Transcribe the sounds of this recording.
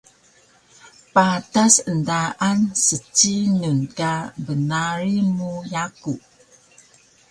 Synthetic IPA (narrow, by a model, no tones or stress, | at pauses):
patasəndaʔansət͡ʃːinunkabənaɾimujaku